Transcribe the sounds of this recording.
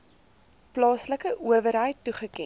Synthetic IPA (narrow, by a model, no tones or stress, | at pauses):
plɑːsləkəʔuəvəɾɦəjtːuχəkɛ